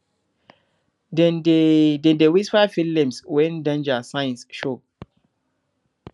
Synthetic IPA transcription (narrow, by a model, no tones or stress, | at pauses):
dɛndɛ̃ndewisfafilɛ̃mswɛ̃ndãnd͡ʒasãj̃nsʃo